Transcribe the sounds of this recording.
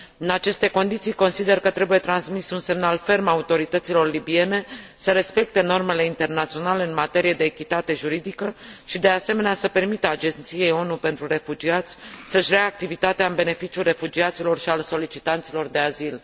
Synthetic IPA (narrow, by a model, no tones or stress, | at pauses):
ɨnat͡ʃe̞st̪e̞ko̞nd̪it̪sijko̞nsid̪e̞rkət̪ɾe̞buje̞t̪ɾansmisunse̞mnalfe̞rmaut̪o̞ɾit̪ət̪silo̞rlibie̞ne̞səɾe̞spe̞k̚t̪e̞no̞rme̞le̞int̪e̞rnat̪sio̞nale̞ɨnmat̪e̞ɾije̞d̪e̞ːkʲit̪at̪e̞ʒuɾid̪ikəʃid̪e̞ase̞me̞neasəpe̞rmit̪əad͡ʒe̞nt̪sije̞jo̞nupe̞nt̪ɾure̞fud͡ʒiat̪sʲsəʃɾeaaːk̚t̪ivit̪at̪eaɨnbe̞ne̞fit͡ʃiulre̞fud͡ʒiat̪silo̞rʃialso̞lit͡ʃit̪ant̪silo̞rd̪e̞azil